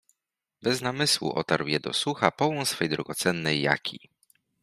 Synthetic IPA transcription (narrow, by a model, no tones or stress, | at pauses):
bɛznamɘswṵʔɔ̰t̪aɾwjɛd̪ɔ̰suxapɔwɔnsfɛjd̪ɾɔɡɔt̪sɛnːɛjːa̰kʲʰḭ